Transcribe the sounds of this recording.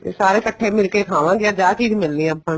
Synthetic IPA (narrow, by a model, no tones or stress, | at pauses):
saːɾeːkəʈʰːeːmɪlkeːkʰaːʋãːɡɪaːd͡ʒaːt͡ʃiːd͡ʒmɪlnĩəpːə̃